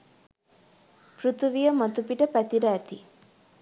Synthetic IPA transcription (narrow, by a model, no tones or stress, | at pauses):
pɾut̪uʋijəmat̪upiʈəpæt̪iɾəːt̪i